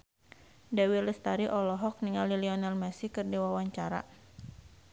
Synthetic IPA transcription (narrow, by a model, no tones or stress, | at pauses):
dawiləst̪aɾiʔɔlɔɦɔk̚niŋaliliɔnalmɛsikɨrdiwawaɲt͡ʃaɾa̰